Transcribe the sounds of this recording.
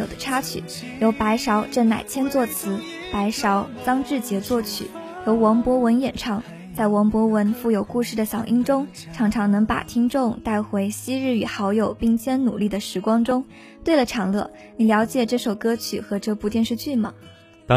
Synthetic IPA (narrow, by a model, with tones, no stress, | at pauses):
jo˨˩d̪ə˦ʈ͡ʂʰa˥t͡ɕʰy̰˨˩˦ | jo˧˥ʊpa˧˥ɪʂɑ˧˥ʊʈ͡ʂə˥˩nna̰˨˩ɪt͡ɕʰjɛ˥nt͡swɔ˥˩t͡sʰɹ̩˧˥ | pa˧˥ɪʂɑ˧˥ʊt͡sɑ˥ŋʈ͡ʂɻ̩˥˩t͡ɕjɛ˧˥t͡swɔ˥˩t͡ɕʰy̰˨˩˦ | jo˧˥ʊwɑ˧˥ŋpwɔ˧˥wə˧˥njɛ˨˩nʈ͡ʂʰɑ˧˥ŋ | t͡sa˥˩ɪwɑ˧˥ŋpwɔ˧˥wə˧˥nfu˥˩jo˨˩ʊku˥˧ʂɻ̩˥˩d̪ə˩ɕjɑ˨˩ŋʔi˥ŋʈ͡ʂʊ˥ŋ | ʈ͡ʂʰɑ˧˥ŋʈ͡ʂʰɑ˧˥ŋnɤ˧˥ŋpa̰˨˩t̪ʰi˥ŋʈ͡ʂʊ˥˧ŋt̪a˥˩ɪxwe˧˥ɪɕi˥ɻɻ̩˥˩y˨˩xɑ˧˥ʊjo˨˩ʊpi˥˩ŋt͡ɕʰjɛ˥nnṵ˨˩li˥˩d̪ə˩ʂɻ̩˧˥kwɑ˥ŋʈ͡ʂʊ˥ŋ | t̪we˥˩ɪlə˩ʈ͡ʂʰɑ˧˥ŋlɤ˥˩ | ni˨˩ljɑ˧˥ʊt͡ɕjɛ˨˩ʈ͡ʂɤ˥˩ʂo˨˩ʊkɤ˥t͡ɕʰy̰˨˩xɤ˧˥ʈ͡ʂɤ˥˧pu˥t̪jɛ˥˧nʂɻ̩˥˧t͡ɕy˥˩mɐ̰˩ | t̪